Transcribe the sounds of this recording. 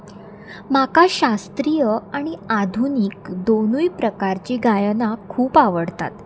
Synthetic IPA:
makaɕast̪ɾijəaɽ̃iad̪ʱuniːkd̪onujpɾəkaɾt͡ɕiːɡajənakʰuːpaʋəɽt̪a̰t̪

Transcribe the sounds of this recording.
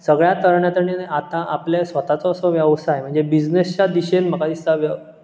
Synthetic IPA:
səɡɭjat̪əɾɳjat̪əɳineat̪ãʔapljesʋət̪at͡sɔːsɔʋjəʋsaɦem̤əɳd͡zebid͡ʑnest͡ɕad̪iɕenm̤əkad̪ist̪aʋjə

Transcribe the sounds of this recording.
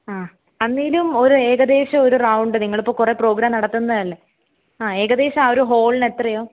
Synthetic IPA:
aː | ɐnːiːlumo̞ɾue̞ːɡɐd̪e̞ːɕɐoɾurɐwɳɖɨniŋːɐɭipːoːkure̞pro̞ːɡɾaːmnɐɽɐt̪ːunːɐðɐlːe | aːe̞ːɡɐd̪e̞ːɕɐmoɾuɦo̞ːɭne̞t̪ːrɐjo̞ː

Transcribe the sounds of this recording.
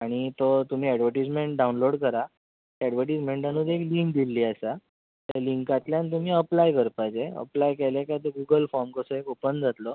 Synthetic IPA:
aɽ̃it̪ot̪um̤iːɛɽʋəɾʈid͡zmeɳʈ̚ɖaunloɽkəɾa | ɛɽʋəɾʈid͡zmẽɳʈanũːd̪ekliŋk̚d̪ilːiːasa | t̪aliŋkat̪ljant̪̬um̤iːəplajkəɾpat͡seə̰plajkelekat̪əɡuɡəlfɔɾmkəsəekupənd͡zʱat̪lɔ

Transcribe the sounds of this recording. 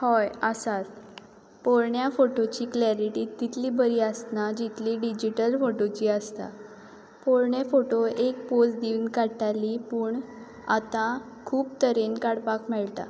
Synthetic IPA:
hɔjəsat | poɾɳjafoʈot͡ɕiːklaɾiʈiːt̪ːit̪ʰliːbəɾiːəsnad͡ʑit̪liːɖid͡ʑiʈəlfoʈot͡ɕiːəst̪a̰ | poɾɳjefoʈoekposd̪inkaʈalipuːɳ | a̰t̪ã | kʰuːpt̪əɾenkaɽpakmɛɭt̪a̰

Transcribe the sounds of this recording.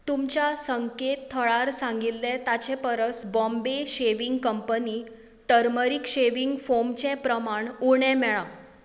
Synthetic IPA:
t̪umt͡ɕasəŋket̪ʰːəɭaɾsãŋɡilːɛt̪at͡ɕɛpəɾəsbɔ̃mbeɕeʋiŋɡkəmpəni | ʈəɾməɾikɕeʋiŋɡfomt͡ɕɛ̃pɾəmaɳuɳɛ̃mɛɭã

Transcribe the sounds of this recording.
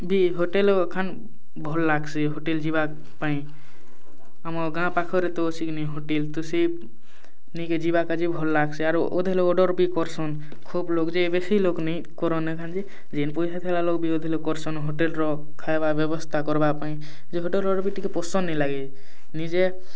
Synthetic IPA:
bʱiɦoʈelkʰan | bʱɔlːaɡsiɦoʈeld͡ʒiba | paĩ | amɔɡãpakʰɔɾet̪ɔosikniɦoʈelt̪use | niked͡ʒibakad͡ʒibʱɔlːaɡsiaɾʔo̰d̪ʱeleɔɖɔɾbikɔɾsɔn | kʰublokd͡ʒebesilokni | kɔɾɔnekʰand͡ʒi | d͡ʒenpɔjsat̪ʰɛlalokbʱiod̪ʱelekɔɾsɔnɦoʈelɾɔ | kʰajbabɔbɔst̪ʰakɔɾbapaĩ | d͡ʒeɦoʈelɔɾbiʈikepɔsɔnːilaɡi | nid͡ʒe

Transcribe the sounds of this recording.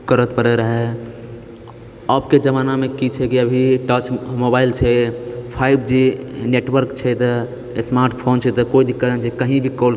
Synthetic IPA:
kəɾət̪pəɽɛɾəɦɛ | əbked͡ʒəmanamekit͡ʃʰɛkiəbʱiʈət͡ʃmobailt͡ʃʰɛpʰaibd͡ʒineʈwəɾkt͡ʃʰɛt̪ɔ | smaɾʈpʰont͡ʃʰɛt̪ɔkoid̪ʱikːəɾənt͡ʃʰɛkəɦĩbʱikol

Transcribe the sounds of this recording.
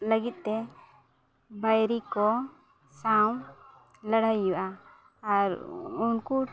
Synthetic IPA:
ləɡit̪̚ˀt̪ɛ | bajɾikɔ | saw | ləɽajːuʔaː | ɾunku

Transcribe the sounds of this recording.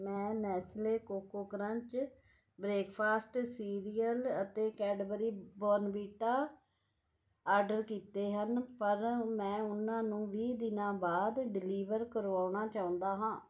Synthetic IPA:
mɛ̃ːnɛːsleːkoːkoːkəɾə̃ɲt͡ʃ | bɾeːkpʰaːsʈsiːɾijələt̪eːkɛːɖbəɾiːbɔːnbiːʈaː | aːɾɖəɾkiːt̪eːɦənpəɾmɛ̃ːʊnãːnũːʋiːd̪ɪnãːbaːd̪ɖɪliːʋəɾkəɾaːʊɳaːt͡ʃaːʊ̃nd̪aːɦãː

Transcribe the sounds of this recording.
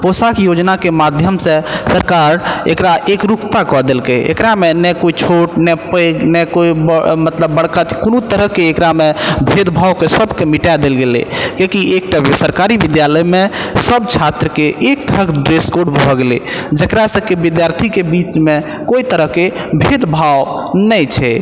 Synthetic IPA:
posakjod͡ʒnakemad̪ʱjəmsẽsəɾkaɾḛkɾaʔekɾukt̪akɔd̪elkeḛkɾamenɛkoit͡ʃʰoʈnɛpəjɡnɛkoibmət̪ləbːəɽ̤kakonut̪əɾəɦkeːkɾamebʱed̪bʱaokesəbkemiʈad̪elɡelḛkekiekʈasəɾkaɾibid̪jaləjmesəb̚t͡ʃʰat̪ɾəkeʔek̚t̪əɾəkɖɾeskoɖbbʱɔɡeled͡ʒəkɾasə̃kebid̪jaɾt̪ʰikebit͡ʃme | koit̪əɾəɦke | bʱed̪bʱaw | nəjt͡ʃʰɛ

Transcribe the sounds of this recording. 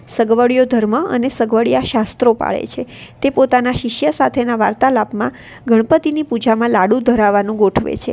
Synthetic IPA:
səɡʋəɭijod̪ʱəɾməə̰nesəɡʋəɭijaʃast̪ɾopa̰ɭḛt͡ʃʰet̪epot̪anaʃɪʃjəsat̪ʰenaʋaɾt̪alapmã | ɡʱəɽ̃pət̪inipud͡ʒamãlaɽũd̪ʱəɾaʋanũɡoʈʰʋḛt͡ʃʰḛ

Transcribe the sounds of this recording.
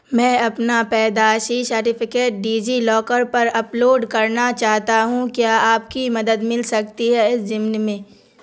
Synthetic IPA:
mɛ̃ːɐpnapɛːd̪aːʃisɐɾʈɪpʰɪkeːʈ̚ɖiːd͡ʒilɔːkəɾpɐɾɐploːɖkɐɾnat͡ʃaːɦt̪aɦũkjaːaːpkimɐd̪əd̪mɪlsɐk̚t̪iɦɛɪszɪmnmẽː

